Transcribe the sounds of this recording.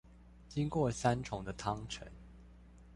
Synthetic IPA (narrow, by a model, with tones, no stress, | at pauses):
t͡ɕi˥ŋkwɔ˥˨˩sa˥nʈ͡ʂʰʊ˨˩ŋd̪ə˦t̪ʰɑ˥ŋʈ͡ʂʰə̰˨˥˦n